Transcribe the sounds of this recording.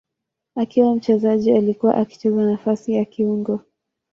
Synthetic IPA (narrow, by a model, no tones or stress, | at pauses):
akiwam̩t͡ʃɛzaʄialikuwa̰ʔaki̥t͡ʃɛzanafasijakiuŋɡɔ